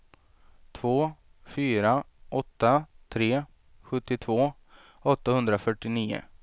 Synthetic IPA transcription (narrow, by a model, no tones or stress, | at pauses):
t̪ʰvoː | fyːɾa | ʔɔt̪ːat̪ʰɾeː | ɧɵt̪ːɪt̪ʰvoː | ɔt̪ːahɵnd̪ɾafœʈːɪniːʊ̰